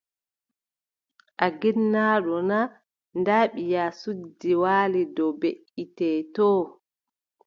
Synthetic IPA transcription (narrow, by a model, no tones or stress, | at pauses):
ʔaɡinːaːɗɔna | ndaːɓijaːsud͡ʒːiwaːlidɔbeʔitɛːtɔː